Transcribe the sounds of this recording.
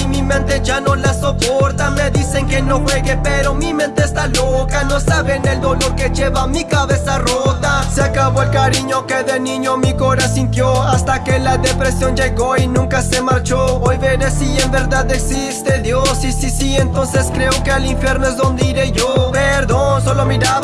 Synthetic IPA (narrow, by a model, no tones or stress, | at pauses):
imimẽnt̪e̞ʝano̞laso̞poɾt̪ame̞ðise̞ŋke̞no̞xwe̞ɣepe̞ɾo̞mimẽ̞nt̪eːst̪alokano̞saβe̞ne̞ld̪o̞lo̞ɾke̞ʝeβamikaβe̞sarot̪aseakaβo̞elkaɾiɲo̞keðenĩɲo̞mikoɾasint̪joast̪ake̞laðepɾe̞sjo̞nd͡ʒeɣoinũŋkase̞maɾt͡ʃoojβeɾesiembe̞ɾðaðeksist̪ed̪josisisient̪o̞nse̞skɾe̞okealiɱfje̞ɾnoezðo̞nd̪eiɾeʝopeɾðons̬olomiɾa